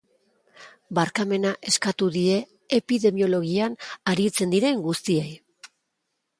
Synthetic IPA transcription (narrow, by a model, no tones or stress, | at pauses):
baɾkame̞naʔe̞skat̪uðie̞ː | piðe̞mio̞lo̞ɣ̞ianaɾit͡se̞nd̪iɾe̞ŋɡust̪iej